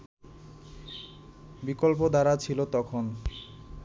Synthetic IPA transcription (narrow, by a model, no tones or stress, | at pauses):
bikolp̬od̪aɾat͡ɕʰilot̪ɔkʰon